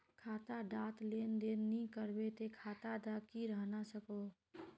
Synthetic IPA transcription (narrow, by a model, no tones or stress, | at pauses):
kʰaːt̪aɖaːt̪leːnd̪eːnnĩkəɾbet̪ekʰaːt̪ad̪akiɾəɦnasəkoː